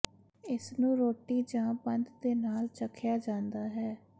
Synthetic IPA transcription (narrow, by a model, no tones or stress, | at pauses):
ɪsnũːɾoːʈːiːd͡ʒãːbənd̪d̪eːnaːlt͡ʃəkʰjaːd͡ʒãːnd̪aːɦɛː